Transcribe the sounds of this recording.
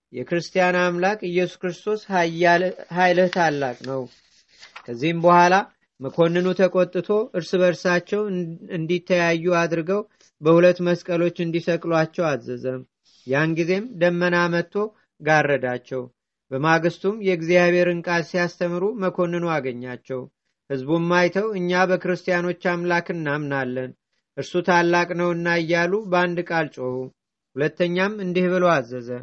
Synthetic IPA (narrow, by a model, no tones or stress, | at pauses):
jɛkɾɨst̪ʰʼijanamlakʼɨjɛsu̥kɾɨst̪ʰo̞s | ɦajlɨht̪ʰalːakʼnəw | kʰəzːihɨmbəhʷala | məkʰo̞nːɨnut̪ʰəkʼo̞t̪ʼːɨt̪ʰo̞ʔɨɾsɨβəɾsat͡ʃːɛwɨnd̪it̪ʰːəjajːuad̪ɾɨɡəw | bəhulət̪ːməskʼəlo̞t͡ʃːɨnd̪isəkʼlwat͡ʃːɛwazəzəm | janɡize̞md̪əmːənamət̪ʰːo̞ | ɡarːəd̪at͡ʃːɛw | bəmaɡɨst̪ʰumjɛɡzijaβe̞ɾɨŋkʼad̪sijast̪ʰəmɨɾuməkʰo̞nːɨnuaɡəɲːat͡ʃːɛw | hɨzbumːajt̪ʰəwɨɲːabəkɨɾɨst̪ʼijano̞t͡ʃːamlakɨnːamnalːən | ʔɨɾsut̪ʰalːakʼnəwɨnːajːaluband̪ɨkʼalt͡ʃʼohu | hulət̪ːəɲːamɨnd̪ihβɨloazːəzə